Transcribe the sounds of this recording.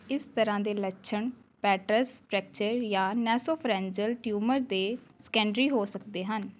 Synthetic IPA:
ɪst̪əɾãːd̪eːləʃʰəɳpɛːʈɾəspɾɛːk̚t͡ʃəɾjãːnɛːsoːpʰɾɛ̃ːɲd͡ʒəlʈjuːməɾd̪eːsə̥kɛ̃ːɳɖɾiːɦoːsəkd̪eːɦən

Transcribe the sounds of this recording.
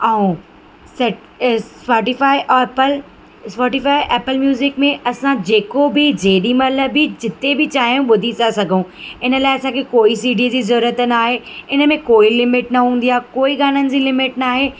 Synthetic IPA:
aːũ | sɐʈ | pɔːʈifaːɪʔpəl | spɔːʈifaːiʔɛːpəlmjuːzɪkmẽʔɐsãd͡ʑeːkobɪd͡ʑeːɗimɐləbɪd͡ʑɪt̪ebɪt͡ɕaːɦijũɓʊd̪ʱit͡ɕasɐɡʱũːɪnəlaːɪɐsãkʰekoːisiːɖid͡ʑiːzɐɾːɾət̪naːɦeɪnə̆mẽkoːilɪmɪʈnɐɦũːnd̪ijaːkoːiɠaːnənɪ̆d͡ʑiːlɪmɪʈnaːɦeː

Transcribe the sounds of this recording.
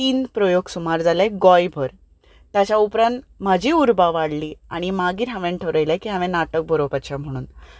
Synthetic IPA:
iːnpɾɔjoɡsumaɾd͡zaleɡɔjbʱəɾ | t̪jat͡ɕaupɾãnt̪m̤ad͡ʑʱiuɾbaʋaɽliːaɽ̃imaɡiːɾɦãʋẽɳʈʰəɾəjlakiɦãmẽnaʈək̚bʱəɾopat͡ɕam̤əɽ̃ṵːn

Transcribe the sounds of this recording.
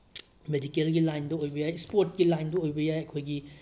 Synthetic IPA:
medikelɡilajndɐojbɐjajspoɾtɡilajndɐojbɐjajɐkʰojɡi

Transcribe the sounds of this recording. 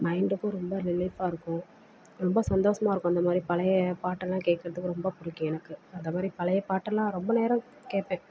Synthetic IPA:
mɐɪɳɖɯkːʊ̃ɾɔmbɐɾɪlɐɪfaːɪɾɯkːʊ̃ | ɾɔmbɐsɐnd̪oːsɐmaːɪɾɯkːʊ̃ɐnd̪ɐmaːd̪ɾipɐlɐjɐpaːʈːɐllãːkeːʈkːɪɾɐðɯkːɯɾɔmbɐpʊɾʊkːĩɛnɐkːɯɐnd̪ɐmaːd̪ɾipɐlɐjɐpaːʈːɐlːãːɾɔmbɐneːɾɐ̃ | keːʈpẽː

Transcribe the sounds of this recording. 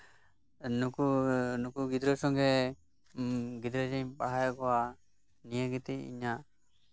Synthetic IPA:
nukunukuɡid̪ɾɔsɔŋɡɛ | ɡid̪ɾəd͡ʒeɲpaɦajɔkɔwa | nijəɡit̪iḭɲa

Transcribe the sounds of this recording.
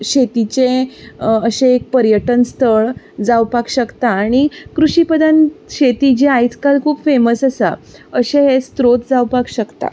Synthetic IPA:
ɕet̪it͡ɕe | əɕeek̚pəɾjəʈənst̪ʰəɭ | d͡zawpakɕəkt̪aːɽ̃ikɾuɕipəd̪anɕet̪id͡ʑeajt̪ʰkalkʰuːpfeməsəsa̰əɕẽɦest̪ɾot̪d͡zawpakɕəkt̪a̰

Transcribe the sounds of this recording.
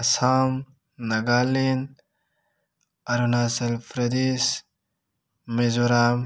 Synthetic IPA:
ɐsaːm | nɐɡaːlin | ɐɾunaːsɐlfɾɐd̪is | mezuɾaːm

